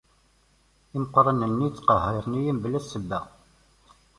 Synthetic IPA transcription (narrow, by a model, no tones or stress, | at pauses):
imqːɾˤənənːit͡sːqəɦeɾˤnijimblæsːəbːæ